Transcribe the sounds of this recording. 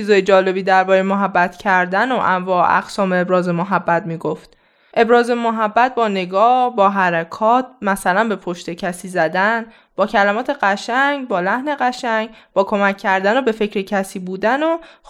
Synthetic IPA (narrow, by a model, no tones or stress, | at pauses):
izɒːjed͡ʒɒːle̞biːd̪æɾbɒːɾejmoɦæbːæt̪ʰcʰæɾd̪ænoʔæɱvɒ̰ːʔæ̰ɡsɒːmeebɾɒːzemoɦæbːæt̪̚miːɡoft̪̚ | ʔe̞bɾɒːze̞moɦæbːæt̪̚bɒːne̞ɡɒːhbɒːɦæɾækʰɒːt̪̚ʰmæsælænbe̞pʰoʃt̪e̞cʰæsiːzæd̪æn | b̥ɒːcʰælæmɒːt̪ʰe̞ɢæʃæŋɟbɒːlæhne̞ɢæʃæŋɡb̥ɒːkʰo̞mæcʰːæɾd̪ænobe̞fe̞cʰɾecʰæsiːbuːd̪æno